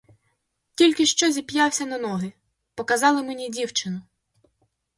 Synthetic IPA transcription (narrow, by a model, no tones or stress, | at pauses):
tʲilʲkɪʃt͡ʃɔzʲipjɑwsʲɐnɐnɔɦɪ | pɔkɐzɑlˠɪmenʲidʲiwt͡ʃɪnʊ